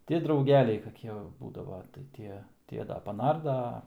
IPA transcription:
tʲɪ drɐʊˈɡʲæːlʲɛɪ kɐˈkʲiɛ ʋɐ ˈbuːdɐʋɐ tɐɪ ˈtʲiɛ ˈtʲiɛ ˈdɐ pɐˈnɐrdɐ ˈɐ

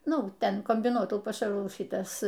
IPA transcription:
ˈnʊ ˈtʲɛn koːmʲbʲɪˈnuɔtuːjuː pɐˈʃɑːruː ˈʃʲiːtɐs

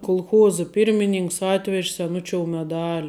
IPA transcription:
kʊlˠˈxuɔzə pʲiːrʲmʲɪˈnʲɪŋks ˈɑːtʲʋʲɛʃʲ sʲɛˈnʊt͡ʃʲoːʊ mʲɛˈdɑːlʲɪ

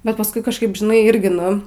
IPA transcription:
bʲɛt pɐsˈkʊɪ kɐʃˈkɐɪp ʒʲɪˈnɐɪ ˈɪrʲɡʲɪ ˈnʊ

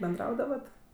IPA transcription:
bʲɛnˈdrɐʊdɐʋɐt

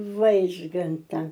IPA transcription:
ˈʋɐɪʒɡɐntɐ

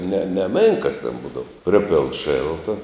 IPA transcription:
nʲɛ nʲɛˈmʲeːŋkɐs tʲɛn ˈbuːdɐʋɐ ˈpʲrʲɪpʲeːlˠn ˈʃʲeːlˠtɐ

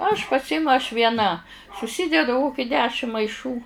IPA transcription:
ɐʃ pɐˈsʲɪmʊ ɐʃ ʋʲiɛˈnɐ sʊˈsʲɪdʲɛdʊ ˈkoːkʲɪ ˈdʲæːʃʲɪm mɐɪˈʃuː

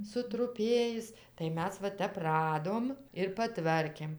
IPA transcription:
sʊtrʊˈpʲeːjɪs tɐɪ ˈmʲɛs ʋɐ ˈtʲɛp ˈrɑːdoːm ɪr pɐˈtʋɐrʲkʲeːm

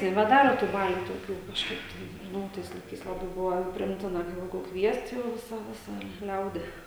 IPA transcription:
nʲɛbʲɛˈdɑːroː tuː ˈbɑːlʲuː toːˈkʲuː kɐʃˈkɐɪp tɐɪ ˈnʊ oː ˈtɐɪs lˠɐɪˈkɐɪs lˠɐˈbɐɪ ˈbʊʋoː pʲrʲɪˈɪmʲtʲɪnɐ kɐ ˈjɛɪɡʊ ˈkʋʲiɛst ˈjɛʊ ˈʋʲɪsɐ ˈʋʲɪsɐ ˈlʲɛʊdʲɪ

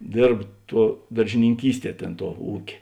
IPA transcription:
ˈdʲeːrp ˈtuɔ dɐrʲʒʲɪnʲɪŋʲˈkʲiːsʲˌtʲiɛ ˈtʲeːn tuɔ ˈuːkʲeː

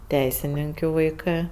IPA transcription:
ˈtʲɛɪsʲɪnʲɪŋʲkʲʊ ʋɐɪˈkɜ

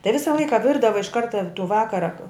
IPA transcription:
tɐɪ ˈʋʲɪsɐ ˈlˠɐɪkɐ ˈʋʲɪrdɐʋɐ ɪʃ ˈkɐrtɐ tuː ˈʋɑːkɐrɐ

